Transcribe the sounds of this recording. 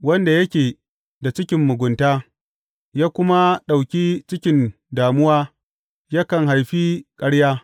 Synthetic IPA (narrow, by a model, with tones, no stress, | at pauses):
wɐ˦nda˨jɐ˦kʲeː˨ | da˨t͡ʃɪ˦kʲɪ˨mːʊ˨ɡʷʊ˨ntaː˦ | jaː˦kʷʊ˦ma˦ɗa˨wkʲiː˦t͡ʃɪ˦kʲɪ˨n | daː˨mʊ˦waː˦ | jaː˦kɐ˨ŋɦa˨jɸiː˦kʼɐ˦ɽjaː˦